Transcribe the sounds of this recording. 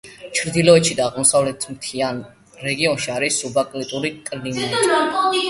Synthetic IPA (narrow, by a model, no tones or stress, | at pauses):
t͡ʃʰɾd̪ilˠɔɛt̪ʃid̪aːʁmɔsavlɛt̪ʰmt̪ʰian | ɾɛɡiɔnʃiaɾisːubakʼlit̪ʼuɾikʼlimi